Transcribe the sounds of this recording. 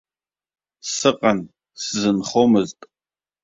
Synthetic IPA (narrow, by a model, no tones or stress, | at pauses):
sɨqʼɐn | sɨzɨnχʷomɨztʼ